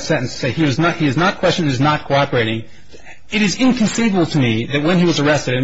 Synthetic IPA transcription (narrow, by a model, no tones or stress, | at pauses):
sɛ̃ʔn̩sseɪiwʌznət̚hiɨznət̚kʰw̥ɛst͡ʃɨ̃nɨznət̚kʰoʊɑpə˞eɪɾɪ̃ŋ | ɨɾɨzɪ̃nkʰɨ̃n̩sivəbl̩ˠtʰɨmiðɨt̚wə̃niwʌzə˞ɛstɨɾɨ̃n